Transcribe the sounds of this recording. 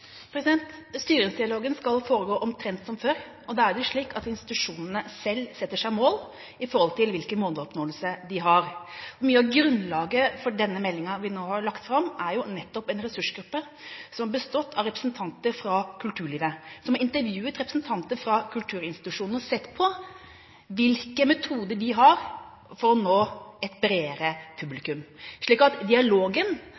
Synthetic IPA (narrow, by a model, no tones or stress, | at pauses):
pʰɾɛsɪd̪ɛnt̪st̪yːɾɪŋsd̪ɪɑloːɡənskɑlfoːɾəɡoːʔɔmt̪ʰɾɛnt̪sɔmføːɾ | ɔd̪ɛæɾɖɛʊʂɭiːkɑt̪ɪnst̪ɪ̥t̪ʉʂuːnənəsɛlːsɛt̪ːəʂæɪmoːl | ɪfɔɾhɔlt̪ʰɪlʋɪlkəmoːnəɔpnoːəlsəd̪ɪɦɑɾɔmyːəɑɡɾʉnlɑːɡəfɔɖɛnːəmɛlːɪŋɑʋɪnoːhɑɾɭɑkt̪fɾɑmæɾjʊnɛt̪ːɔpɛnɾɛsʉʂɡɾʉpːə | sɔmhɑɾbəst̪ɔt̪ːɑʋɾɛpɾəsn̩t̪ʰɑnt̪əɾfɾɑkʰʉlt̪ʰʉːɾɭiːʋəsɔmhɑɾɪnt̪əɾʋjʉːət̪ɾɛpɾəsn̩t̪ʰɑnt̪əfɾɑkʰʉlt̪ʰʉːɾɪnst̪ɪ̥t̪ʉʂuːnn̩ɔsɛt̪ːpʰɔ | ʋɪlkəmɛt̪ʰuːd̪əɖɪɦɑɾ | fɔɾɔnoːɛt̪bɾeːɾəpʰʉblɪkʉmʂɭiːkɑt̪d̪ɪɑloːɡən